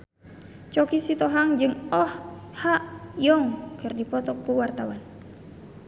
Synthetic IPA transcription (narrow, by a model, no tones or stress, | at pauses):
t͡ʃɔkisit̪ɔɦaŋd͡ʒɨŋɔhhaʔjɔŋkɨrdipɔt̪ɔkuwart̪awan